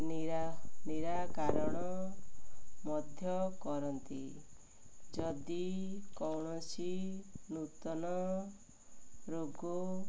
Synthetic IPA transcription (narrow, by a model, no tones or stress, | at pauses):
n | niɾakaɾɔɽ̃ɔ | mɔd̪ʱjɔkɔɾɔnt̪i | d͡ʒɔd̪ikɔwɳ̃ɔt͡ʃinut̪ɔnɔ | ɾoɡu